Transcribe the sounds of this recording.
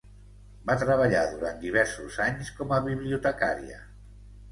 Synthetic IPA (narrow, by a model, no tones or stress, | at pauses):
bat̪ɾəβ̞əʎaðuɾant̪d̪iβ̞ɛɾsuzaɲskɔməβiβliut̪əka̰ɾiə̰